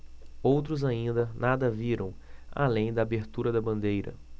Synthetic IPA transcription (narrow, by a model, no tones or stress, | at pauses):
owt̪ɾʊzaĩnd̪ɐnad̪ɐviɾɐ̃w̃a̰lẽj̃d̪ɐaːbeɾt̪uɾɐd̪ɐbɐ̃nd̪ejɾɐ̰